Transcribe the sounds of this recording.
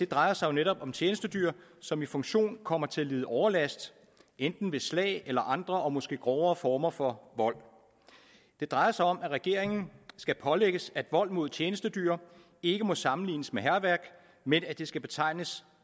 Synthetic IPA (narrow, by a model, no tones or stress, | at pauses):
d̥e̝d̥ʁɑ̈ɪɐsɑ̈ɪo̝neɾɒ̽b̥ɒ̽mt͡ɕʰjeːnəsd̥əd̥yɐsɒ̽mifɔ̽ŋɕo̝̰ːnkʰɒ̽m̰ɐt͡sʰe̝æliːð̞ˠəʔɒʊɐlæsd̥ | end̥n̩ʋe̝slɛ̰ːɪelɐʔɑ̈nd̥ʁɐʔɒ̽mɒ̽sɡ̥e̝̰ːɡ̥ʁɒʊɐːfɒːmɐfɒ̽ʋɒ̽l̰ | d̥e̝d̥ʁɑ̈ɪɐsɑ̈ɪɒ̽mæʁɛɡ̥e̝ɐeŋn̩sɡ̥æpʰɒ̽leɡ̥əsæd̥ʋɒ̽l̰mo̝ð̞ˠt͡ɕʰjeːnəsd̥əd̥y̰ɐ | e̝ɡ̥əmɒ̽sɑ̈mn̩lḭːnəsmeɦæɐʋæɐɡ̥ | menæd̥e̝sɡ̥æb̥e̝t͡sʰɑ̈ɪ̰nəs